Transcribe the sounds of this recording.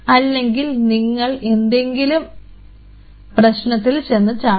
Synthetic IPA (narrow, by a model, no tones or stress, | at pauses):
ɐlːe̞ŋɡilniŋːɐɭe̞nd̪e̞ŋɡilum | prɐɕnɐt̪ːilt͡ɕe̞nːɨt͡ɕaː